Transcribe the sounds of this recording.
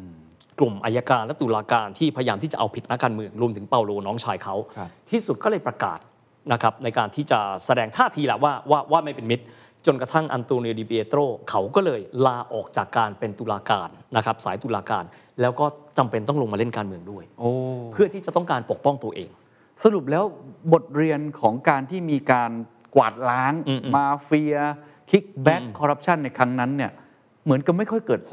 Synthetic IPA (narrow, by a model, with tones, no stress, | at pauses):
klu˨˩mʔa˧ja˧kaː˧nlɛ˦˥t̪u˧laː˧kaː˧nt̪ʰiː˥˩pʰa˧ja˧jaː˧mt̪ʰiː˥˩t͡ɕa̰˨˩ʔa˧wpʰi˨˩t̪̚na˦˥kːaː˧nmɯ˧əŋɾu˧əmt̪ʰɯ˩˦ŋpaː˧wloː˧nɔː˦˥ŋt͡ɕʰaː˧jkʰa˦˥wt̪ʰiː˥˩su˨˩t̪̚kɔː˥˩ɤː˧jpɾa˧ka̰ː˨˩t̪̚ | na˦˥kʰɾa˦˥p̚na˧jkaː˧nt̪ʰiː˥˩t͡ɕa˨˩sa˧dɛː˧ŋt̪ʰaː˥˩t̪ʰiː˧la̰˨˩waː˥˩waː˥˩waː˥˩ma˥˩jpe˧nmi˦˥t̪̚ | t͡ɕo˧nkɾa˧t̪ʰa˥˩ŋʔa̰˧nt̪oː˧ni˧diː˧bi˧ʔeː˧t̪ɾoː˥˩kʰa˦˥wkɔː˥˩lɤː˧jlaː˧ʔɔː˨˩k̚t͡ɕaː˨˩kːaː˧npe˧nt̪u˧laː˧kaː˧nːa˦˥kʰɾa˦˥p̚saː˩˦jt̪uː˧laː˧kaː˧n | lɛː˦˥wkɔː˥˩t͡ɕa˧mpe˧nt̪ɔ˥˩lo˧ŋmaː˧le˥˩nkaː˧nmɯ˧əŋdu˥˩əjʔoː˧˩pʰɯ˥˩ət̪ʰi˥˩t͡ɕa˨˩t̪ɔ˥˩ŋkaː˧npo˨˩k̚pɔ˥˩ŋt̪u˧ɐʔeː˧ŋ | sa˧ɾu˨˩p̚lɛː˦˥wbo˨˩t̪̚ɾi˧ənkʰɔː˩˦ŋkaː˧nt̪ʰiː˥˩miː˧kaː˧n | kwa̰ː˨˩t̪̚laː˦˥ŋ˧maː˧fi˧ɐ | kʰi˦˥k̚bɛ˦˥kʰːɔ˧ɾa˦˥p̚t͡ɕʰa˥˩nːa˧jkʰɾa˦˥ŋna˦˥nːi˥˩ɐ | mɯ˩˦ənka˨˧˩ma˥˩jkʰɔ˥˩jkɤː˨˩t̪̚pʰo˨˦